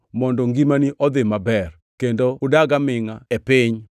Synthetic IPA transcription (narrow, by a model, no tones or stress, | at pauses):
mɔndɔŋɡimaniʔɔd̪ɪmabɛr | kendoʊdaɡamɪŋaɛpɪɲ